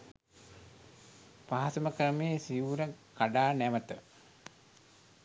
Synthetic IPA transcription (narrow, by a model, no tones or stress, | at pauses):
paɦasməkɾəmeːsiuɾəkaɖaːnæmət̪ə